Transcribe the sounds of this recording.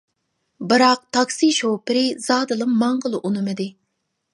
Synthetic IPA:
bɨɾɑq̚t̪ʰɑksiʃowpɪɾɪz̥ɑːd̪ɨlˠɨmmɑɴʁəlˠɨʔunɨmɨd̪ɪ

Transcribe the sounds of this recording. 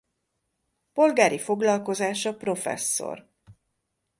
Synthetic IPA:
po̞lɡaːɾifo̞ɡlɒlko̞zaːʃɒpro̞fɛ̰sːo̰r

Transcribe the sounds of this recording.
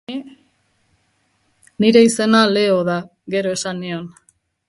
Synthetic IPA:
niɾe̞ise̞nale̞oða | ɡe̞ɾo̞e̞sanio̞n

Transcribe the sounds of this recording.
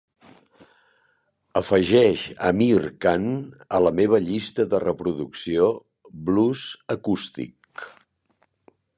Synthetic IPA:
əfəʒɛʃə̰mirkanələmeβ̞əʎist̪əðərəpɾuðuksio | bluzəkust̪ḭk

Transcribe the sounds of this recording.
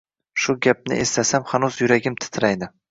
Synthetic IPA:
ʃʊɡʲap̚nɪ̰ʔest̪ʰasamhanuzjʊɾaɡʲɪmt̪ʰɪ̥t̪ʰɾajd̪ɪ

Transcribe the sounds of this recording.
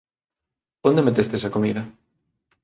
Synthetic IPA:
ond̪emet̪est̪es̬ɐkomiðɐ

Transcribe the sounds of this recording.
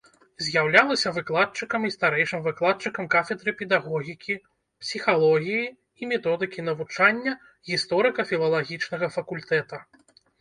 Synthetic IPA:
zʲjawlʲalˠɐsʲɐvɨklˠat̪̚t͡ʂɨkɐmist̪aɾɛjʂɨmvɨklˠat̪̚t͡ʂɨkɐmkafʲɛd̪ɾɨpʲɛd̪aɣɔɣʲikʲʰi | psʲixalˠɔɣʲiji | imʲɛt̪ɔd̪ɨkʲinɐvut͡ʂanʲːɐ | ɣʲist̪ɔɾɨkɐfʲilˠɐlˠaɣʲit͡ʂnɐɣɐfɐkulʲt̪ɛt̪ɐ

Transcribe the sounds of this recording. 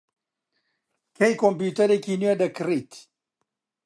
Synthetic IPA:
kejkompjuːt̪ɐɾekinuwɐd̪ɐkɨrit̪

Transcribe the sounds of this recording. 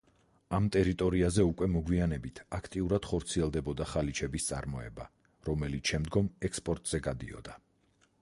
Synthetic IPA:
amt̪ʼɛɾit̪ʼɔɾiazɛukʼwɛmɔɡwianɛbit̪ʰakʰt̪ʼiuɾad̪̥χɔɾt̪sʰiɛlˠd̪ɛbɔd̪aχalit͡ʃʰɛbist̪sʼa̰ɾmɔɛ̰ba | ɾɔmɛlit̪ʰʃɛmd̪ɡɔmɛkspʼɔɾt̪ʼz̥ɛɡad̪ḭɔ̰d̪a

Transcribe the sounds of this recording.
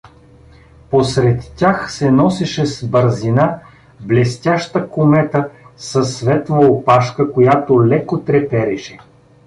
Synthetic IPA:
posɾɛt̪ːʲaxsɛnɔsɛʃɛsbəɾzina | blɛst̪ʲaʃt̪əkomɛt̪əsɐsːvɛt̪vɐopaʃkəkojat̪olɛkot̪ɾɛpɛɾɛʃɛ

